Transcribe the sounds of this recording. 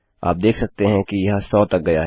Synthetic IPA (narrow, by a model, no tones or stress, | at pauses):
a̰ːp̚d̪eːkʰsɐk̚t̪eɦɛ̃kijɐɦãsɔːt̪ɐk̚ɡɐjaɦɛ